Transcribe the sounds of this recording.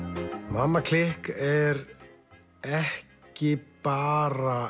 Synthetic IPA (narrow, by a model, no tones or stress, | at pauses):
mamːakʰl̥ɪhkɛɾ | ɛh | cɪpaːɾa